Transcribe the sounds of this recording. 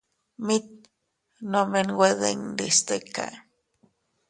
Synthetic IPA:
mit̪̚ | nomenweðeŋd̪ist̪əka̰

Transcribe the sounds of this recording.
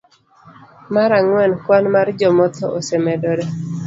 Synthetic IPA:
maɾaŋwɛnkwanmard͡ʒɔmɔt̪ɔʔosɛmɛdɔɾɛ

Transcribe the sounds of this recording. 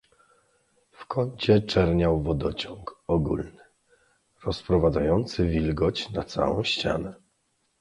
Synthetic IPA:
fkɔɲt͡ɕɛt͡ʂɛɾɲawvɔd̪ɔt͡ɕɔŋkɔɡṵlnɘ | ɾɔspɾɔvad̪zajɔnt̪sɘvʲilɡɔt͡ɕnat̪sa̰wɔ̰̃w̃ɕt͡ɕa̰nɛ

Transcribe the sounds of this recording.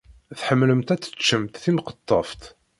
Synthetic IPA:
θħəmːləmt̪æt͡sːə̥t͡ʃːəmt̪θimqə̥t̪ˤːəft̪

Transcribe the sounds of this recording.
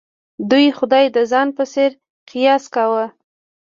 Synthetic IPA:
d̪ujxʊd̪ɑjd̪əzɑnpəseɾ | qijɑskawə

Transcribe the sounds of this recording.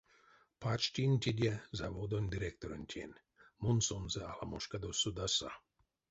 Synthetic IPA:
pʰat͡ʃtʲinʲtʲidʲɛzavod̪onʲd̪iɾʲek̚t̪oɾonʲtʲʰḛnʲ | munsonzɛalamoʃkad̪osud̪asa̰

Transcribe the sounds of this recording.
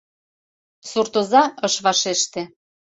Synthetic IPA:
surt̪ozɑəʃβɑʃeʃt̪ĕ

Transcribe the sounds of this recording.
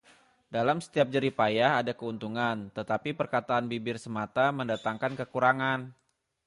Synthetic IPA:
dalamsə̥t̪iap̚d͡ʒəɾipajaɦadakəunt̪uŋant̪ət̪apipərkat̪aːnbibɪrsəmat̪aməndat̪aŋkankəkuɾaŋan

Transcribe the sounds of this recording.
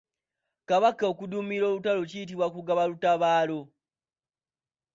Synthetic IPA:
kaβakːaokudumiɾo̞ːlutalocijit̬iβwakuɡaβalutaβaːlo̞

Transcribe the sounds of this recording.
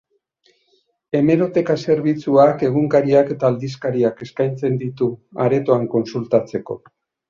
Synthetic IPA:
e̞me̞ɾo̞t̪e̞kase̞ɾβ̞it͡suake̞ɣ̞uŋkaɾiake̞t̪aːld̪iskaɾiake̞skajnt͡se̞nd̪it̪ua̰ɾe̞t̪oaŋko̞nsult̪at͡se̞ko̞̰

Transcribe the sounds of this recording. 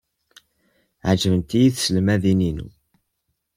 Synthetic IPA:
ʕd͡ʒəvənt̪ijiθsəlmæðininṵ

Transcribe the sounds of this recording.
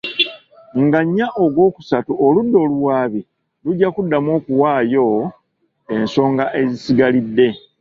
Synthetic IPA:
ŋɡaɲːaʔoɡwo̞ːku̥satuʔoludːo̞ːluwaːβi | luɟːakudːamo̞ːkuwaːjo̞ | e̞nso̞ːŋɡaʔe̞zisiɡalidːe̞

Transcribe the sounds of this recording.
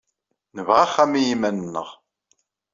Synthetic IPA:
nəvʁaχːæmijimænənːə̰ʁ

